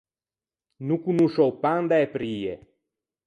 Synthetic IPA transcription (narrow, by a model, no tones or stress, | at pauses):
nukunuʃowpand̪aepɾiḛ